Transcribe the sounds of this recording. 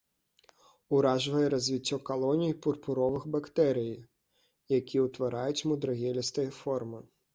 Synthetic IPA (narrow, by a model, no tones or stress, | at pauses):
ʊɾɑʒʋɐjɛɾɐzʲʋʲitʲːɔkɐlˠɔnʲijpʊrpʊɾɔʋɪxbɐkt̪ɛɾʲij | jɐkʲiʊt̪ʋɐɾɑjʊtʲmʊd̪ɾɐɦʲɛlʲist̪ɐjɛfɔrmɪ